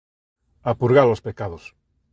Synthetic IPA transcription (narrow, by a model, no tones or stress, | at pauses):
apuɾɣalospekaðos